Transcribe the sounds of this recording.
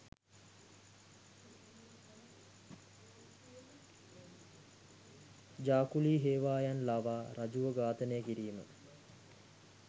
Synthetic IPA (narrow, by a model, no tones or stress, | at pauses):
d͡ʒaːkuliːɦeːʋaːjanlaʋaːɾad͡ʒuʋəɡaːt̪ənəjəkiɾiːmə̰